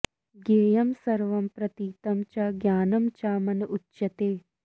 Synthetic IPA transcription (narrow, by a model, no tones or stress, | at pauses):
ɡeːjɐmsɐɾʋɐmpɾɐt̪iːt̪ɐmt͡ʃaɡjaːnɐmt͡ʃaːmɐnɐʔutːʃɐt̪eː